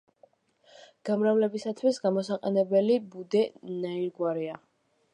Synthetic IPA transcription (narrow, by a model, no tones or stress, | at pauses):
ɡ̥amɾavlɛbisat̪ʰwisɡamɔsaqʼɛ̰nɛbɛlibud̪ɛnaiɾɡwaɾia